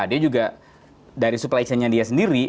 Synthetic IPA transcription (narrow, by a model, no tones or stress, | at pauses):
adiad͡ʒuɡa | daɾisuplait͡ʃanɲadiasəndiɾi